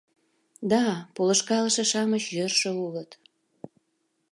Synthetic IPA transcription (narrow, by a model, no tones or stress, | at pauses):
d̪ɑpolə̆ʃkɑlə̆ʃĕʃɑməɕjørʃə̆ulət̪